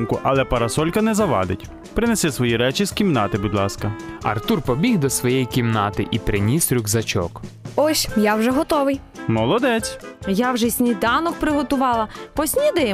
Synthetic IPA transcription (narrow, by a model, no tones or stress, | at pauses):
nkʊʔɐlˠɛpɐɾɐsɔlʲkɐnɛzɐʋɑ̰d̪ɪtʲ | pɾɪnɛsɛsʋɔjiɾɛt͡ʃiz̥kʲimnɑt̪ɪbud̪lˠɑskɐɐ̰rt̪urpɔbʲiɣd̪ɔsʋɔjɛjikʲimnɑt̪ɪʔipɾɪnʲisɾʲʊɡzɐt͡ʃɔ̰kɔsʲjawʒɛɦɔt̪ɔʋɪj | mɔlˠɔd̪ɛt͡sʲjɑwʒɛsʲnʲid̪ɑnɔk̚pɾɪɦɔt̪ʊʋɑlˠɐpɔsʲnʲid̪ɪ